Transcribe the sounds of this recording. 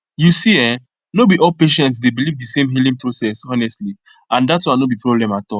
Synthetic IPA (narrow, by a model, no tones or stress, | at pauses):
jusiɛ̃ | nobiʔɔlpeʃɛ̃ntsdebilivdisẽmɦilĩŋpɹosɛsɔnɛstli | ãndatswãnobipɹɔblɛ̃matɔl